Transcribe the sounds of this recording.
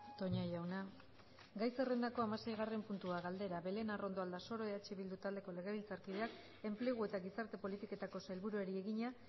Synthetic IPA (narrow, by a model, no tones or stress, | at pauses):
t̪o̞ɲajawna | ɡajse̞re̞nd̪ako̞amase̞jɣare̞mpunt̪uaɣald̪e̞ɾaβe̞le̞naro̞nd̪o̞ald̪aso̞ɾo̞eat͡ʃeβild̪ut̪ald̪e̞ko̞le̞ɣe̞βilt͡saɾkið̞eak | e̞mple̞ɣ̞ue̞t̪aɣisaɾt̪e̞po̞lit̪iko̞t̪ako̞saelβuɾueɾie̞ɣiɲa